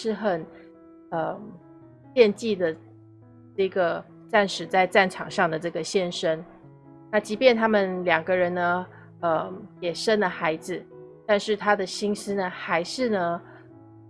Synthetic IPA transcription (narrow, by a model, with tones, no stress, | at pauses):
ʂɻ̩˥˩xə˨˩n | ə˧ | pjɛ˥˧nt͡ɕi˥˩d̪ə˩ | ʈ͡ʂɤ˥˩ɡə˩ | t͡sa˥˩nʂɻ̩˨˩t͡sa˥˧ɪt͡sa˥˩nʈ͡ʂʰɑ̰˨˩ŋʂɑ˥˩ŋd̪ə˩ʈ͡ʂɤ˥˩ɡə˩ɕjɛ˥nʂə˥n | na˥˩t͡ɕi˧˥pjɛ˥˩nt̪ʰa˥mə˨nljɑ˨˩ŋɡə˦ɻə˧˦nnə˧ | ə˧jɛ˨˩ʂə˥nlə˨xa˧˥ɪd͡zɹ̩˧˨t̪a˥˧nʂɻ̩˥˩t̪ʰa˥d̪ə˨ɕi˥ŋs̩˥nə˨xa˧˥ɪʂɻ̩˥˩nə˩